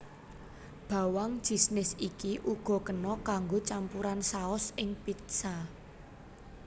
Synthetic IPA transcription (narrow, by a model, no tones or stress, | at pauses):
b̥ä̤waŋʒ̥i̤snɪsikiʔuɡ̥ɔ̤kənɔkaŋɡot͡ʃampuɾansaɔsɪŋpit̪sa